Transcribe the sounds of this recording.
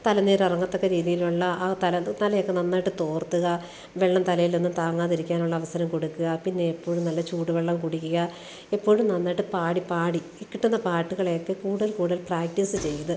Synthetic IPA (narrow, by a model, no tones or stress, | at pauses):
t̪ɐlɐnːeːɾirɐŋːɐt̪ːo̞kːeɾiːðijiluɭːɐaːt̪ɐlɐnɐlɐjokːe̞nɐnːaːjʈːɨt̪o̞ːrt̪ːuɣɐ | ʋeɭːɐmt̪ɐlɐjilninːumt̪aːŋːaːðiɾikʲːaːnuɭːɐːʋɐsɐɾɐmkoɽukːuɣɐpinːe̞epːo̞ːɻumnɐlːɐt͡ɕuːʈːuʋeɭːɐmkuɽukʲːuɣɐ | epːo̞ːɻumnɐnːaːjʈːɨpaːɽipaːɽi | ikːiʈːunːɐpaːʈːuɣɐɭejokːekuːɽuðɐlkuːɽuðɐlpraːk̚ʈisɨt͡ɕe̞jːɐðɨ